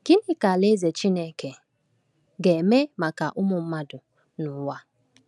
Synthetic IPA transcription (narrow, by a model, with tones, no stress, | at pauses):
ɡ̥i˦n˦ɪ˦ka˨le˦ze˨t͡ʃi˦ne˦ke˨ | ɡe˨me˦ma˨ka˨ʔʊ˦mʊ˨m̩˦ma˦dʊ˨ | nʊ˨˦wa˦